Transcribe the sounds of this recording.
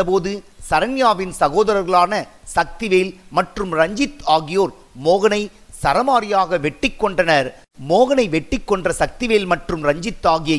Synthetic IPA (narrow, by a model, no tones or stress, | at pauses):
ɐpoːðɯsɐɾɐnɪjaːʋɪnsɐɣoːðɐɾɐɾɣɐɭaːnɐsɐk̚t̪ɪʋeːlmɐʈrɯmɾɐɲd͡ʒɪt̪aːɣɪjoːɾ | moːɣɐnɐɪ | sɐɾɐmaːɾɪjaːɣɐʋɛʈːɪkːɔɳɖɐnɐɾ | moːɣɐnɐɪʋɛʈːɪkːɔɳɖrɐsɐk̚t̪ɪʋeːlmɐʈrɯmɾɐɲd͡ʒɪt̪ːaːɣɪjɐ